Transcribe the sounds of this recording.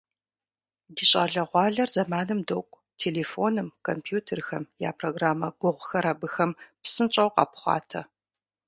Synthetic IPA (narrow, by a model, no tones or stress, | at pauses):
diːɕʼɐɮɐʁʷɑːɮɐrzɐmaːnɨmdowkʷʼ | tʰeːleːfoːnɨmkʰompʰjuːtʰerxɐmja̰ːpʰroɡraːmɐɡʷʊʁʷxɐɾabɨxɐmpsɨnt͡ʃʼɐwqɑ̰pχʷɑ̰ːtʰɐ